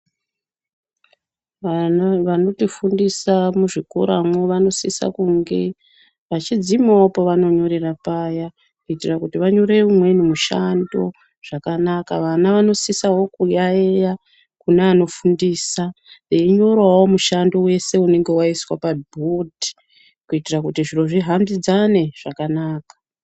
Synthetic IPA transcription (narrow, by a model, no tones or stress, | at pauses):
ʋano̞tifundisamuʐiko̰ɾa̰mwoʋano̞sisa̰kuŋɡe̞̰ | ʋat͡ʃid͡zimawapoʋano̞ɲo̞ɾerapaːja | kuitirakutiʋaɲo̞ɾe̞umwe̞nemuʃando̞ | ʐ̥akanakaʋanaʋano̞sisaɦo̞kujaeja | kuneano̞fundisaeiɲo̞ɾwawomuʃando̞we̞se̞une̞ŋɡe̞waiswapabʱodʱi̥ | kuitirakutiʐiro̞ʐiɦambid͡zane̞ʐ̥akanaːkḁ